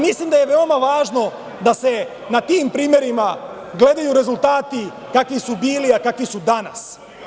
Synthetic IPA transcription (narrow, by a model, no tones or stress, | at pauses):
mislimd̪aje̞ʋe̞o̞maʋaːʒno̞ | d̪ase̞ | nat̪iːmpɾiːmje̞ɾima | ɡle̞d̪ajuɾe̞zulˠt̪aːt̪i | kakʋisubiːliakakʋisud̪anas